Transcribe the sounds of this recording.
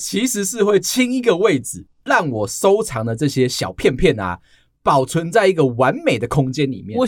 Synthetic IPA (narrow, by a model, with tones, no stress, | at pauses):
t͡ɕʰi˨˦ʂɻ̩˨˦ʂɻ̩˥˧xwe˥˩ɪt͡ɕʰi˦ŋi˧˥ɡə˨we˥˩ɪd͡zɹ̩˨˩ | ɻɑ˥˩ŋwɔ˨˩so˥ʊt͡sʰɑ˧˥ŋd̪ə˨ʈ͡ʂɤ˥˨ɕjɛ˦ɕjɑ˨˩ʊpʰjɛ˥˧npʰjɛ˥˨na̰˨˩ | pɑ˨˩ʊt͡sʰwə˨˦nt͡sa˥˧ɪi˧˥ɡə˨wa˧˦nme˨˩ɪd̪ə˩kʰʊ˦˥ŋt͡ɕjɛ˦nlḭ˨˩mjɛ˥˨